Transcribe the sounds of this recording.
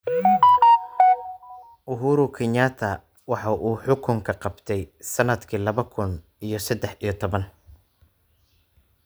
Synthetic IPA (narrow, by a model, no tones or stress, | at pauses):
ʔʊɦuːɾʊkʰɪɲaːt̪ʰɐ | wɑħɑʔuːħʊkʰʊŋkʰɐqɑbt̪ʰɛjsɐnɐd̪kʰiːlɐβɐkʰʊn | ijɞsɐd̪ɛħijɞt̪ʰɔβɐn